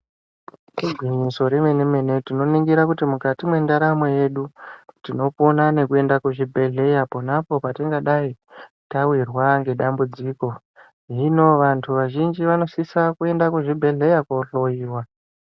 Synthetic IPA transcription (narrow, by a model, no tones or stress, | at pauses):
kuɡʱwiɲiso̞ɾemwe̞neme̞ne̞tino̞niŋɡiɾakutimukatimwe̞ndaɾamo̞je̞ɗutino̞ponane̞kue̞ndakwuʐibʱe̞ɮe̞japonapo̞patiŋɡaɗai | tawirwaŋɡe̞ɗambud͡ziːko̞ | ino̞ʋantʰuʋaʒind͡ʒiʋano̞sisakue̞ndakuʐibʱe̞ɮe̞jakoɬo̞jiːwa